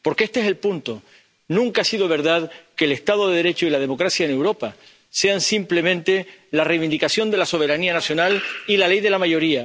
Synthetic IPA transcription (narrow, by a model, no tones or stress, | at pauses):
po̞ɾkeest̪eese̞lpunt̪o | nũŋkaasiðo̞βe̞ɾðaðkeːle̞st̪að̞oðeðe̞ɾe̞t͡ʃoilað̞e̞mo̞kɾasjaenewɾo̞pa | se̞ansimple̞mẽnt̪e̞larejβind̪ikasjo̞nd̪e̞laso̞β̞e̞ɾanianasjo̞nalilale̞jðe̞lamaʝo̞ɾia